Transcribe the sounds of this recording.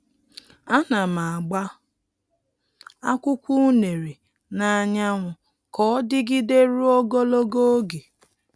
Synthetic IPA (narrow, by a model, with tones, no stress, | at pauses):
a˦na˨ma˨a˨ɡ͡ba˦ | a˦kʷʊ˦kʷu˦ne˨ɾe˨ | na˨a˨ɲa˦ŋʷʊ˨ | kɔ˨˦dɪ˦ɡɪ˦de˦ɾu˦o˦ɡo˦lo˦ɡo˦o˦ɡe˨